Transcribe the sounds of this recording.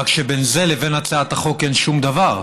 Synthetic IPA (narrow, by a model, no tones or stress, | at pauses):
akʃebenze̞leve̞nat͡saat̪aχo̞kenʃumd̪avaʁ